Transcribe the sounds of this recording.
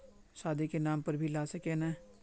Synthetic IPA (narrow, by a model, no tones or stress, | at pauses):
ʃaːd̪ikenaːmpɐɾbʱilaːsɐkenɛː